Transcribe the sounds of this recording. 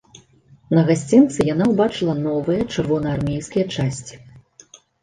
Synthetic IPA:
nɐɣasʲt͡sʲint̪sɨjanawbat͡ʂɨlˠɐnɔvɨjɐt͡ʂɨrvɔnɐarmʲejskʲijɐt͡ʂasʲt͡sʲi̥

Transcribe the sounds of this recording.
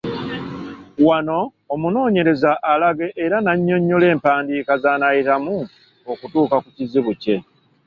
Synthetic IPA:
wano̞ː | muno̞ːɲe̞ɾe̞zaʔːlaɡe̞ʔːɾanaɲːo̞ɲːole̞ːmpaːndiːkazanajitamu | okutuːkakuciziβuce̞

